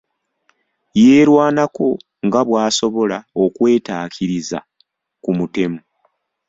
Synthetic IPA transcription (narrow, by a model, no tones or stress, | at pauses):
je̞ːɾwaːnako̞ | ŋɡaβwaːso̞βo̞laokwe̞ːtaːkʰiɾiza̰ | kumute̞mu